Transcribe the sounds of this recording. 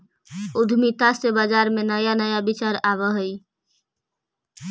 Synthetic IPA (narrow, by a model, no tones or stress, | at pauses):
ud̪ʱmit̪asebad͡ʒaɾmenəjanəjabit͡ʃaɾaβəɦəj